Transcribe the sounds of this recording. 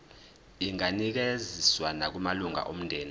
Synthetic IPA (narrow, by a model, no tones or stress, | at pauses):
iŋanik̬eziswanak̬umaluŋa̰ʔom̩ndʱɛːni